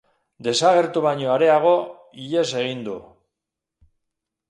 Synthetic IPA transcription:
d̪e̞saɣ̞e̞ɾt̪uβaɲo̞aɾe̞aɣ̞o̞ | iʎe̞se̞ɣ̞ind̪u

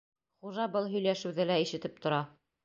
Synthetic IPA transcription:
χuʒɑbɤlˠɦɵ̆jlæʃɘ̆wðɘlæiʃɘ̆t̪ɘp̚t̪ŏɾɑ

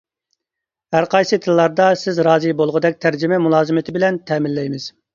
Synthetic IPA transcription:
hæɾqʰɑjsɨt̪ʰɨlˠːɑɾd̪ɑsɪzɾɑːzɨbolˠʁəd̪ɛk̚ʲt̪ʰæɾd͡ʒɪmɛmulˠɑːzɨmɪt̪ʰɪbɪlɛnt̪ʰɛːmɪlːɛjmɪz̥

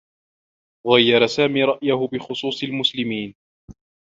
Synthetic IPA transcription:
ɣajːɑɾˤɑsaːmiːɾˤɑʔjahʊbɪxʊsˤuːsˤɪlmʊslɪmiːn

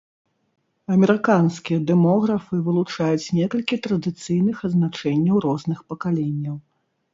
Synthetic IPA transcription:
ɐmʲɛɾɨkanskʲijɐd̪ɛmɔɣɾɐfɨvɨlˠut͡ʂajut͡sʲnʲɛkɐlʲkʲit̪ɾɐd̪ɨt̪sɨjnɨxɐd̪znat͡ʂɛnʲːɐwɾɔznɨxpɐkalʲenʲːɐw

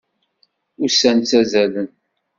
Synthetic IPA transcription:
ʊsænt͡sːæzælən

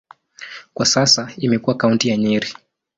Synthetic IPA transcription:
kwasasaimɛkuwakauntijaɲiɾi

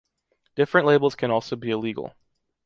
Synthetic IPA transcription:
d̥ɪfɹɨ̃nʔleɪbl̩ˠz̥kʰɨ̃ñɔlˠsoʊbiɨliɡl̩ˠ

